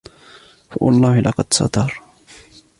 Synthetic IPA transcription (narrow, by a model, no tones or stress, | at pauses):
fawɑlˤːɑːhɪlʔɑqɑd̪sɑ̰t̪ɑɾˤ